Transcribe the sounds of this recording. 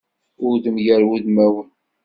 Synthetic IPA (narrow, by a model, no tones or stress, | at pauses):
ʊɾðəmjæɾwuðmæwən